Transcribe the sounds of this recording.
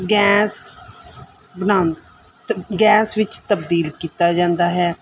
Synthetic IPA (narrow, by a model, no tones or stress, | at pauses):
ɡɛːs | bənaːn | ɡɛːsʋɪt͡ʃt̪əbd̪iːlkiːt̪aːd͡ʒãːnd̪aːɦɛː